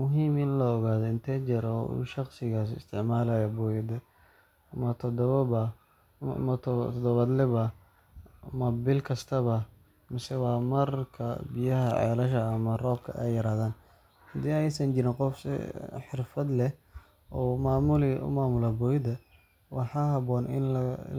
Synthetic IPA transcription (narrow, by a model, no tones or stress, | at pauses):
mʊɦiːmɪnlɔːɣaːðɔɪnt̪ʰɛt͡ʃɛɾɔṵːʃɑqsɪɣaːsɪ̰st̪ʰɪʕmaːlaːjɔbɔːjɪd̪ɛ | ɐmɐt̪ʰɔd̪ɔβɐbɐ | mɐt̪ʰt̪ʰɔd̪ɔβɐd̪lɛβɐ | mɐbɪlkʰɐst̪ʰɐβɐ | mɪsɛwɑːmɐrkʰɐ̰bɪjɐɦɐʕɛ̰ːlɐʃɐːmɐrɔːb̚kʰɐ̰ʔɛ̰jːɐɾaːðaːn | hɐd̪iːɛjsɐnt͡ʃɪɾɪnqɔfsɪ̰ħɪrfɐd̪lɛh | ɔmaːmʊlɪʔʊ̰maːmʊlabɔːjɪd̪ɐ | wɑħɑːɦɐβɔːnɪ̰n